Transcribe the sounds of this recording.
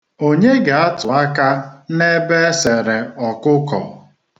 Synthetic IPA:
o˦ɲe˦ɡa˨a˦tʊ˨a˦ka˦ne˦be˦se˨ɾe˨ɔ˨kʊ˦kɔ̰˨

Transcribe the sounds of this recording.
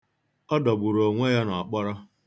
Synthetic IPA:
ɔ˦dɔ˨ɡ͡bʊ˨ɾo˨ŋʷe˦ja˦na˨k͡pɔ˦ɾɔ˦

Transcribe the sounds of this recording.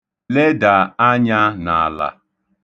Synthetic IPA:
le˦da˨a˦ɲa˦na˨la̰˨

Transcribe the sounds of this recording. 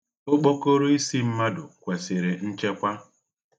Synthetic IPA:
o˦k͡po˦ko˦ɾo˦i˦si˦m̩˦ma˦dʊ˨kʷe˨se˨ɾe˨n̩˦t͡ʃe˦kʷa˦

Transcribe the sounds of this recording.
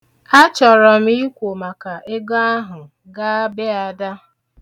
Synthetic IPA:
a˦t͡ʃɔ˨ɾɔ˨m̩˦i˦kʷo˨ma˨ka˨ʔe˦ɡa˦a˦ɦʊ˨ | ɡa˦be˦a˨da˦

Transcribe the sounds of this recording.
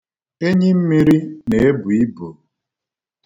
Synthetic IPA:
e˦ɲi˦m̩˦mi˦ɾi˦ne˨e˦bu˨i˦bo˨

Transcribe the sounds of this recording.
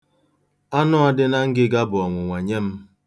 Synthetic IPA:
a˦nʊ˦a˦dɪ˦na˦ŋ̩˦ɡɪ˦ɡa˦bʊ˨ɔ˨ŋʷʊ˨ŋʷa˨ɲe˦m̩˦

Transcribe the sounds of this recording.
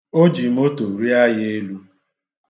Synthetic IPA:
o˦d͡ʒi˨m̩˦o˦to˨ɾi˦a˦jɪ˦e˦lu˦

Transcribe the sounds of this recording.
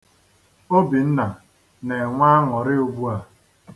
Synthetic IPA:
o˦bi˨n̩˦na˨ | ne˨ŋʷa˦ŋɔ˨ɾɪ˦o˦bu˦a˨

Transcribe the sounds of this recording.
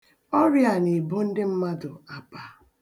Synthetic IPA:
ɔ˦ɾja˨ne˨bo˦n̩˦dɪ˦m̩˦ma˦dʊ˨a˨pa˦

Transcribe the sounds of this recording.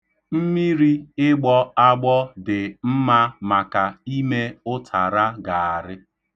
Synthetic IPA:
m̩˦mi˦ɾi˦ɪ˦ɡ͡bɔ˦a˦ɡ͡bɔ˦dɪ˨m̩˦ma˦ma˨ka˨i˦me˦ʊ˦tʰa˨ɾa˦ɡa˨a˨ɾɪ˦

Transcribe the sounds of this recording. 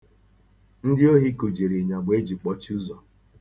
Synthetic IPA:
n̩˦dɪ˦o˦ɦi˦ku˨d͡ʒi˨ɾi˨ɲa˨ɡ͡be˦d͡ʒi˨k͡pɔ˦t͡ʃi˦u˦zɔ˨

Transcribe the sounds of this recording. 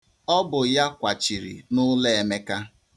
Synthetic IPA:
ɔ˦bʊ˨ja˦kʷa˨t͡ʃi˨ɾḭ˨nʊ˦le˦e˨me˦ka˦

